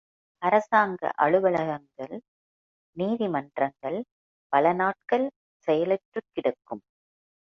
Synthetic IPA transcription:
ɐɾɐsaːŋɡɐ̰ʔɐɻɯʋɐɭɐɣɐŋɡɐɭ | niːðimɐndrɐŋɡɐɭ | pɐlɐnaːʈ̚kɐɭ | sɛjɐlɛʈrɯkːɪɽɐkːɯm

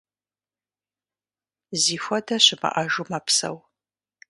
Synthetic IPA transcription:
ziːxʷɔdɐɕɪbɐ̰ʔɐʒumɐpsɐ̰w

